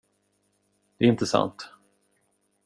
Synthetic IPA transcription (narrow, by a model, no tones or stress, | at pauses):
d̪̥ɛɪnt̪əsa̰nt̪